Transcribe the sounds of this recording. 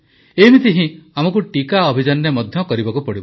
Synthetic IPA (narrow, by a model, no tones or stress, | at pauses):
emit̪iɦĩ | amɔk̬uʈikaɔbʱid͡ʒanːemɔd̪ʱjɔkɔɾibakupɔɽibɔ